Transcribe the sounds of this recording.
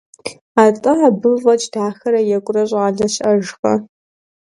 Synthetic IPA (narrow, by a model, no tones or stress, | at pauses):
aːtʼɨaːbɨvɐt͡ʃʼd̥aːxɐɾɐjɛkʷʼʊrɐɕʼaːɮɐɕɐʒxɐ̰